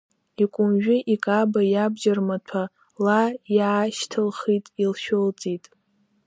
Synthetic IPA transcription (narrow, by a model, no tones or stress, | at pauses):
ikʷʼʊmʒᶣɪʔikʼabajabd͡ʒarmatʷʰa | lajaːʃtʰɨlχitʼilʃᶣolt͡sʼitʼ